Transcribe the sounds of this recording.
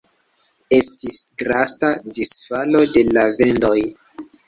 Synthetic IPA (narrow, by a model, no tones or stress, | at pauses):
e̞stisɡɾastadisfalo̞de̞lave̞ndo̞j